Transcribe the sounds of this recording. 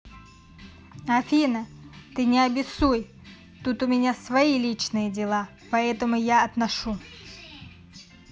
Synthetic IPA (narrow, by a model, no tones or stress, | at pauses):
ɐfʲinət̪ɨnʲɪɐbʲɪsuj | t̪ut̪ʊmʲɪnʲasvɐilʲit͡ɕnɨjədʲɪlˠa | pɐɛt̪əmʊjaɐt̪nɐʂu